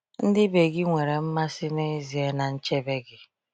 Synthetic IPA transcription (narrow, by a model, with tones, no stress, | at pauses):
n̩˦dɪ˦be˨ɡɪ˦ŋʷe˨ɾe˨m̩˦ma˦sɪ˦ne˦zi˨e˦na˨n̩˦t͡ʃe˦be˦ɡɪ˨